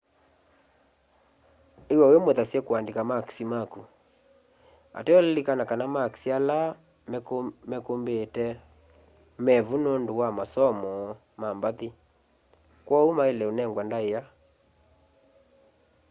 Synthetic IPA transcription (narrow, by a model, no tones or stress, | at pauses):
ewaojemoðasjɛkoandekamaksimaku | a̰tɛɔllikanakanamaksiala | mkmɛkombetɛ | mɛvunondowamasɔmɔ | mambaði | kwɔumaelɛonɛŋɡwandaeja